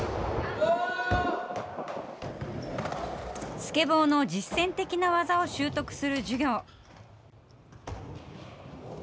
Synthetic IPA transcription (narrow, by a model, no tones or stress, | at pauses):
sɨ̥ke̞bo̞ːno̞d͡ʑisːẽ̞nt̪e̞kʲinaβazao̞ɕɨːt̪o̞kɯ̟̥sɨɾɯ̟d͡ʑɨɡʲo̞ː